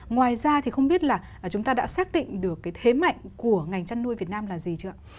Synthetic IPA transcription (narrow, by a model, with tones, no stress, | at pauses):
ŋwaː˨˩jzaː˧t̪ʰi˨˩xə˧wŋ͡mɓi˦˥ət̚laː˨˩˨t͡ɕʊ˨˦ŋ͡mt̪aː˧ɗa̰ː˧˥saː˦˥k̚ɗḭ˧˨ŋ̟ɗɨ˨˩əkːaː˨˦jt̪ʰe˨˦ma̰˧˨jŋ̟ku˧˩əŋa˨˩jŋ̟t͡ɕa˧nːu˧əjvi˨˩ət̚naː˧mlaː˨˩zi˨˩t͡ɕɨ̰˧˥ə